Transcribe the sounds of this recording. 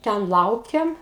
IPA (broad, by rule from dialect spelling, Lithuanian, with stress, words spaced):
ˈtʲɛn ˈlˠɐʊkʲɛm